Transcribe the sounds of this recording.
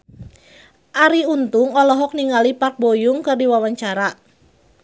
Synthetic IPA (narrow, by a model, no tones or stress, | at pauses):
ʔaɾiunt̪ʊŋɔlɔɦɔk̚niŋalipat̪̚bojʊŋkɨrdiwawaɲt͡ʃaɾa